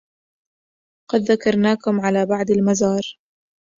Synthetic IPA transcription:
qɑd̪ðakɑɾˤnaːkʊmʕalaːbɑʕd̪almazɑːɾˤ

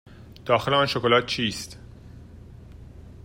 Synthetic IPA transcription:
d̪̥ɒːxeleɒːnʃokolɒt̪̚t͡ʃʰiːst̪

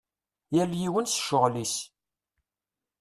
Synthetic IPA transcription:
jæljiwənsʃʊʁlis

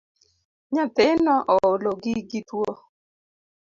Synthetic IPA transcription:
ɲat̪enɔʔɔloɡɪɡɪt̪wo

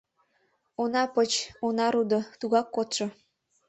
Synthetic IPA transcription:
onɑpət͡ɕonɑɾud̪ot̪uɣɑkːot̪ʃɤ̆

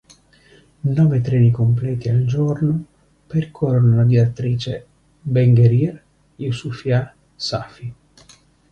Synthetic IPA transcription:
nɔːvet̪ɾɛːnikomp̬lɛːt̪iald͡ʒɔrnʊ | perkʰɔronolad̪iat̪ːɾiːt͡ʃe | beŋɡeɾir | iusufja | safi

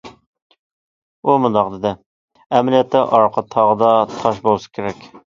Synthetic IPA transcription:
umund̪ɑqd̪ɪd̪ɪ | ɛmlijɛt̪ʰːɪʔɑɾqʰət̪ʰːɑʁəd̪ɑt̪ʰɑʃ̬bolˠsɨ̥kʲʰeɾɛkʲ

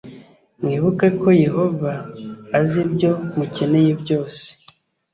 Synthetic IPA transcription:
mŋiːβukako̞je̞ho̞vaːzibjo̞mucene̞jebɟo̞ːse̥

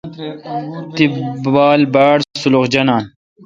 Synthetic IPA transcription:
t̪ibaːlbaːɽsuluχd͡ʑɐnaːn

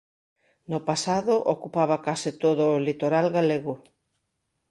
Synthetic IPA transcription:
nʊpasaðʊʔokupaβ̞ɐkasɪt̪oðʊːlit̪oɾalɣaleɣʊ

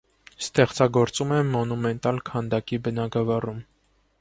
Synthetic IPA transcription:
st̪ɛχt͡sɑɡɔɾt͡sumɛmːɔnumɛnt̪ɑlkʰɑnd̪ɑkibənɑɡɑvɑrum

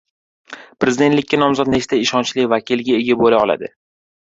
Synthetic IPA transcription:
pɾezɪd̪et̪lɪkʲːanɒmzɒt̪̚nest̪ʰaɪʃɒnt͡ʃlɪvakʲʰɪlɡʲaeɡʲabolaɒlˠa̰d̪ɪ̰

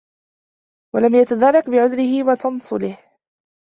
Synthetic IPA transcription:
walamjat̪ad̪ɑrˤːɑkbɪʕʊðɾɪhɪwat̪ɑnsˤʊ̰lɪh

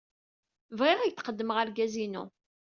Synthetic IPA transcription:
vʁɪʁijθqəd̪ːəməʁaɾɡæzinṵ

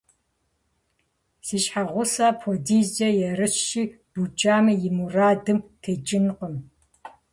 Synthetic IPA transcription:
siːɕħaʁʷʊsaːpʰodiːzd͡ʒɐjɛrɨɕːiː | b̥ut͡ʃʼaːmɨjɪmuraːdɨmtʰeːt͡ʃʼɪnqʼəm

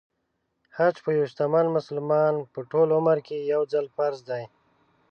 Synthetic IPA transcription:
hat͡ʃpəjuʃt̪amanmʊsəlmɑnpəʈolʊməɾkejawzalfaɾzd̪aj

